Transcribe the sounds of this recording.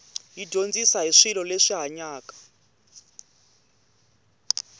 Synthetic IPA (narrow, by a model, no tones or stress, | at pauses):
jidʱond͡zisaɦiʂilɔleʂiɦaɲaːkḁ